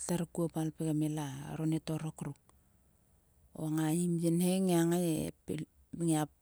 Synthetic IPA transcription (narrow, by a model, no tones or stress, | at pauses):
taɾkuopalpekamela̰ɾonetoɾokɾuk | o̰aŋaimjenheŋeaŋajḛp | ŋiap